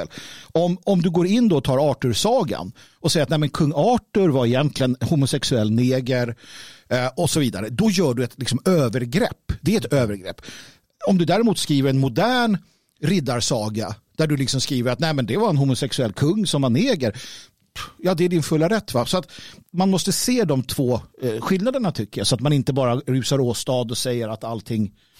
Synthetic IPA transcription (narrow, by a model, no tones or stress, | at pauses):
lɔmɔmd̪ɵɡoːɾɪnːd̪ɔɔt̪ʰɑːɾɑːʈɵɾsɑːɡa̰n | ɔsɛjəat̪nɛɪmɛnkʰɵŋːɑːʈɵɾvaɾɪjɛnt̪ʰlɪənhʊmʊsɛksɵɛlːneːɡəɾ | ɔsɔviːd̪a̰ɾəd̪ɔjœːɖɵɛt̪lɪksɔmøːvəɾɡɾɛ̰pːd̪ɛɾɛt̪øːvəɾɡɾɛ̰pː | ɔmd̪ɵd̪æːɾɪmuːt̪skɾiːvəɾɛnmʊd̪æːɳ | ɾɪd̪ːaɾsɑːɡad̪̥æɖɵlɪksɔmskɾiːvəɾat̪nɛːmɛnd̪ɛvaɾɛnɦʊmʊsɛksɵɛlkʰɵŋːsɔmːaneːɡəɾ | jɑːd̪ɛæɖɪnfɵlːaɾɛt̪ːvasɔat̪manmɔst̪əseːd̪ɔmt̪ʰv̥oːɧɪlnad̪əɳat̪ʰʏkːəjasɔat̪manɪnt̪əbɑːɾaɾʉ̟ːsaɾoːst̪ɑːd̪ɔsɛjːəɾat̪alt̪ʰɪŋː